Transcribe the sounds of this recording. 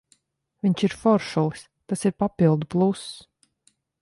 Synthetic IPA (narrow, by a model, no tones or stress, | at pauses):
vʲiɲt͡ʃiɾfɔɾʃulˠs | t̪asiɾpapilˠd̪uplˠus